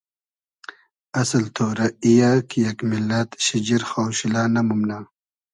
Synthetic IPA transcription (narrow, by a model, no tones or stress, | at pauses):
ɐsɐlt̪ʰoːɾɐijakʰijɐkmilːɐt̪ɕid͡ʑiɾxowɕilaːnɐmumna